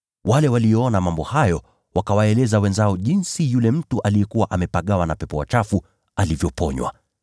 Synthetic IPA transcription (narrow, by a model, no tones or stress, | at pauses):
walɛwalijɔɔnamambɔhajɔ | wakawaɛlɛzawɛnzaɔʄinsijulɛm̩tuʔalijɛkuwaʔamɛpaɠawanapɛpɔwa̰t͡ʃafu | alivjɔpɔɲwa̰